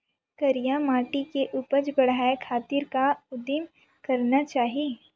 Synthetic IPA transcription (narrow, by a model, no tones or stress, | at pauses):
kɐɾijamaːʈikeʔuːpət͡ʃbɐɽɦaːekʰaːt̪ɪɾkaʊd̪ɪm | kɐɾnat͡ʃaːɦie